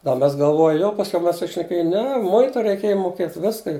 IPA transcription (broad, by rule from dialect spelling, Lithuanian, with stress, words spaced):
dɐ ˈmʲɛs ɡɐlˠˈʋoːjʊ jɛʊ pɐsʲˈkʲɛʊ ˈmʲɛs sʊʃʲnʲɛˈkʲeːjʊ ˈnʲɛ ˈmʊɪtʊ rʲɛɪˈkʲeːjɛ muɔˈkʲeːt ˈʋʲɪskɐ